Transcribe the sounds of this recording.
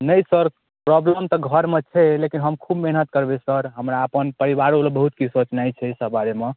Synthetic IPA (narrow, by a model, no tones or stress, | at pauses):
nəjsəɾ | pɾɔbləmt̪ɔɡʱəɾmet͡ʃʰɛlekinɦəmkʰubmeɦnət̪̚kəɾbesəɾɦəmɾaəpənpəɾiβaɾolbəɦut̪kisot͡ʃnajt͡ʃʰɛsəbaɾeme